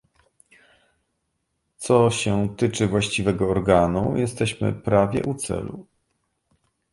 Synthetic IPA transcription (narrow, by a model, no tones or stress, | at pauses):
t̪sɔɕɛt̪ɘt͡ʂɘvwaɕt͡ɕivɛɡɔːɾɡanujɛst̪ɛɕmɘ̰pɾavʲjɛ̰ʔut̪sɛ̰lṵ